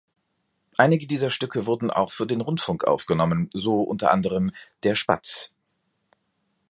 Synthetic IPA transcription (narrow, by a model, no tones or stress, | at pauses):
ʔaɪnɪɡədiːzɐʃtʏkʰəvʊɐdn̩ʔa̰ʊxfyːɐdeːnʁʊntfʊŋkʔa̰ʊfɡ̥ənɔmənzoːʔʊ̰ntɐ̰ʔa̰ndəʁ̞əmd̥eːɐʃpa̰t͡s